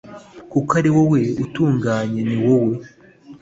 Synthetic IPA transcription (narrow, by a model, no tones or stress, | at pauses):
kukaɾiwowe̞utuːŋɡaːɲe̞niwowe̞